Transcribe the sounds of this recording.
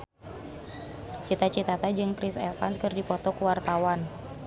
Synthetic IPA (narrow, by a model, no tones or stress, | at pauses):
t͡ʃit̪at͡ʃit̪at̪ad͡ʒɨŋpɾisɛfa̰nskɨrdipɔt̪ɔkuwart̪awan